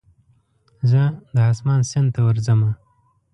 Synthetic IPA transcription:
zəd̪əɦasmɑːnsɪnd̪t̪awaɾzəma

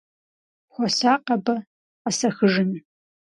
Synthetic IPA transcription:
xʷɔsaːqɐbɐ | qɐsɐxɨʒɨn

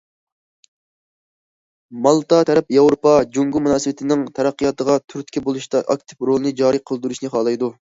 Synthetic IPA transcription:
mɑlˠt̪ɑt̪ʰɛɾɛpjɑwɾopɑd͡ʒoŋɡumunɑːsɨbɪt̪ʰɪnɪŋt̪ʰɛɾæqːijɑt̪əʁɑt̪ʰyɾt̪kʲʰɛbolˠuʃt̪ɑʔɑk̚ʲt̪ʰɪ̥pɾolˠɨnɨd͡ʒɑːɾɨqʰəlˠd̪uɾuʃnɨχɑːlˠɑjd̪u

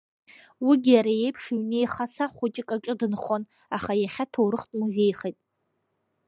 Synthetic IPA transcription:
wiɡʲɪjaɾaje̞jpʰʂɥne̞jχasaχʷʊt͡ʃʼɪkʼakʼɨdɨnχon | aχajaχʲatʰowɾɨχtʼmuzejχejtʼ

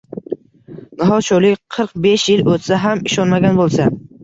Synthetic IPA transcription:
nɒɦɒʃolɪkʲqʰɨɾqbeʃjɪlot̪saɦamɪʃɒnmaɡʲanbolˠsa

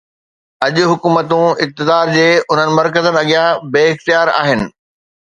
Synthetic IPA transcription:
ɐʄʊ̆ɦʊkuːmət̪ũɪk̚t̪ɪd̪aːɾd͡ʑeːʊn̤ənɪ̆mɐɾkəzənɪ̆ɐɠijãbeːɪxt̪ijaːɾa̰ːɦɪnɪ̆

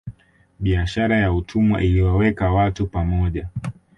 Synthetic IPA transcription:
ɓiaʃaɾajautʰumwa̰ʔiliwawɛkawatupamɔʄa

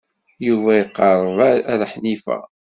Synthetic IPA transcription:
juvæjəqːɑɾˤəðˤɾħnifæ̰

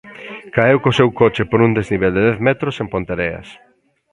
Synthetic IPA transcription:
kaewkosewkot͡ʃepoɾund̪ezniβ̞eld̪eðɛθmɛt̪ɾosẽmpont̪eɾeɐ̰s

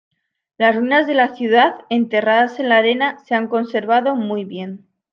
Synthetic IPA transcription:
lazruinazðe̞laθjuð̞aθe̞nt̪e̞raðase̞nlaɾe̞nase̞aŋko̞nse̞ɾβaðo̞mujβje̞n

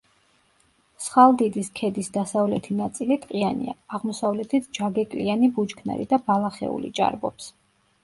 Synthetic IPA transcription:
sχalˠd̪id̪iskʰɛd̪isd̪asavlɛt̪ʰinat̪sʼilit̪ʼqʼianḭa̰ːʁmɔsavlɛt̪ʰit̪ʰd͡ʒaɡɛkʼlianibud͡ʒkʰna̰ɾḭd̪abalˠaχɛ̰ṵlḭd͡ʒʼa̰ɾbɔ̰ps

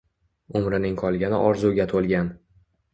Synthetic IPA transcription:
ʊmɾɪnɪŋqʰɒlˠɡʲanɪʔɒɾzuɡʲat̪ʰolˠɡʲan

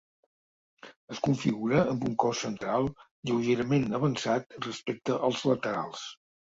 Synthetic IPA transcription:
əskuɱfiɣuɾəəmbuŋkɔsːənt̪ɾalˠ | ʎəwʒeɾəmenəβənsat̪rəspek̚t̪əʔəlˠzlət̪əɾa̰lˠs

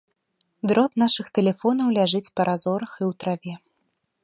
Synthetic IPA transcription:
d̪ɾɔt̪naʂɨxt̪ɛlʲɛfɔnɐwlʲaʐɨt͡sʲpɐɾʔazɔɾɐxiwt̪ɾavʲɛ

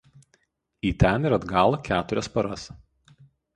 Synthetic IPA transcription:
iːt̪ʲɛnɪɾɐd̪ɡɑːlˠoːkʲæːt̪ʊɾʲɛspɐɾɐs

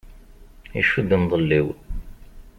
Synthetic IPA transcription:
ḭʃud̪ənðˤəlːiw

